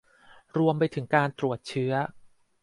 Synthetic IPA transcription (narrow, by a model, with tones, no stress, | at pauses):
ɾu˧əmpa˧jt̪ʰɯ˩˦ŋkaː˧nt̪ɾu˨˩ət̪̚t͡ɕʰɯ˦˥ɐ